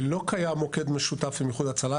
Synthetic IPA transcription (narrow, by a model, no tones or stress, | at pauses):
lo̞kajamːo̞ke̞d̪me̞ʃut̪afimjeχud̪at͡sala